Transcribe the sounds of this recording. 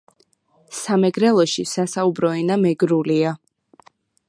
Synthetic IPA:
samɛɡɾɛlˠɔʃisasaubɾɔɛnamɛɡɾulia

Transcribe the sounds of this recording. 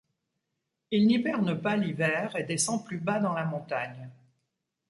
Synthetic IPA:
ilnibɛʁnəpalivɛːʁed̪esɑ̃plybad̪ɑ̃lamɔ̃t̪aɲ

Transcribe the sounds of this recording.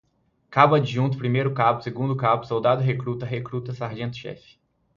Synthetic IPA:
kabɐd͡ʒɪʒũnt̪̬ʊpɾimejɾʊkabʊseɡũnd̪ʊkabʊsowd̪ad̪ʊɦekɾut̪ɐɦekɾut̪ɐsaɾʒẽnt̪ʊ̥ʃɛ̰fɪ̥

